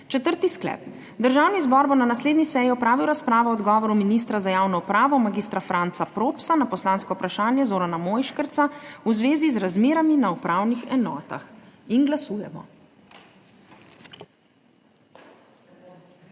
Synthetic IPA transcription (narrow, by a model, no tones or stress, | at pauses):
t͡ʃɛt̪əɾt̪isklɛ̰ːp | d̪əɾʒawnizbɔɾbonanasleːd̪nisɛːjiɔpɾaːʋiwɾaspɾaːʋɔɔd̪ɡɔːʋɔɾuminist̪ɾazajaːwnɔupɾaːʋɔmaɡiːst̪ɾafɾant̪sapɾoːpsanapɔslaːnskɔupɾaʃaːnjɛzoːɾanamoːjʃkəɾt̪sauzʋeːzizɾazmeːɾaminaupɾaːwnixɛnɔːt̪a̰xinɡlasuːjɛ̰mɔ̰